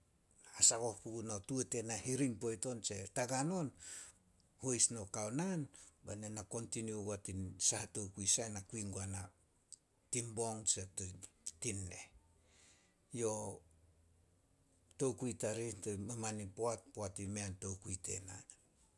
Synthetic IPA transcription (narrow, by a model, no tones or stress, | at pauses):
asako̞hpuɡunotuete̞nahiɾiŋpo̞jto̞nt͡ʃe̞taɡano̞n | hojsno̞kawnanbanenako̞ntiniuɡatinsahato̞wkuisanakuiŋɡoana | timbo̞ŋt͡ʃettinːe̞̰ | jo̞ | to̞wkuitaɾitomamanipoat̚poatimeanto̞wkuite̞̰na